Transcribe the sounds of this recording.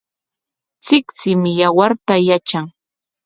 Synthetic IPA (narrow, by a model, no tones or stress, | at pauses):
t͡sɪkt͡sɪmɪjawaɾt̪ajat͡ʃaŋ